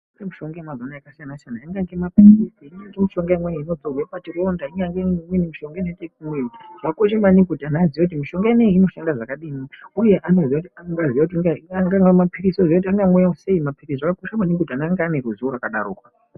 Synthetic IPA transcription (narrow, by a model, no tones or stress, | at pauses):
ŋɡemiʃo̞ŋɡajemazonaakasijanat͡ʃanaiŋɡaŋɡemapirisiiɲaŋɡemiʃo̞ŋɡaimweino̞d͡zoɡʱwepat͡ʃiro̞ndaiɲaŋɡemwinimiʃo̞ŋɡainetekumwetiʐakoʃ̬amanibudanaːziʋekut̬imiʃo̞ŋɡaeneiino̞ʃandaʐakaɗiːniuje̞ʔano̞ziautiaŋɡaziaut̬iɡaaŋɡaŋɡemapiɾisozijoutaŋɡamwujause̞imapirisʐakakoʃamanibudanaːŋɡaaneɾuzuuɾakaɗa̰ɾuːkwa